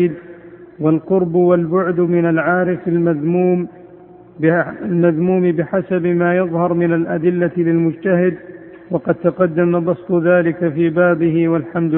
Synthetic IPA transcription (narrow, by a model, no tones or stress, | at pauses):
d̪ | walqʊɾbwalbʊʕd̪mɪnalʕaːɾɪfalmaðmuːm | almaðmuːmbɪħasabmaːjɑðˤhɑɾˤmɪnalʔad̪ɪlːalɪlmʊd͡ʒt̪aɦɪd̪ | wɑqɑd̪̚t̪aqɑd̪ːamabɑsˤt̪ˤʊðaːlɪkafiːbaːbɪɦɪwalħamd̪